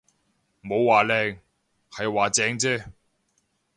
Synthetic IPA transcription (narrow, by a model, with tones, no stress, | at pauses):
mo˨˧wːaː˨˩lɛː˧ŋ | hɐ˨jwaː˨˩t͡sɛː˨˧ŋt͡sɛː˥